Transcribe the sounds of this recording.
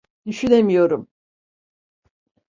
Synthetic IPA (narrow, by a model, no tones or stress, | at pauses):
d̪̥yʃyne̞mijo̞ɾum